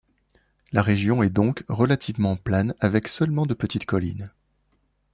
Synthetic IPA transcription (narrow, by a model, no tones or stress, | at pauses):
laʁeʒjɔ̃ɛd̪ɔ̃kʁəlat̪ivmɑ̃plɛnavɛksœlmɑ̃d̪əpət̪it̪kɔlḭn